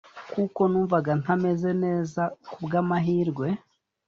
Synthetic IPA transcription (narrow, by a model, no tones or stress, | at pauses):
kuko̞nuːɱvaɡan̥ame̞ze̞ne̞ːzakubɡaːmaɦiːɾɡwe̞